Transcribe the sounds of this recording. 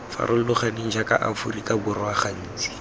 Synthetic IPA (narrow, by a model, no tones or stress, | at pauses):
fa̰rʔʊl̩lʊχaniŋ̩d͡ʒakʼaʔa̰fʊrikʼabʊrwaχan̩ːt͡si̥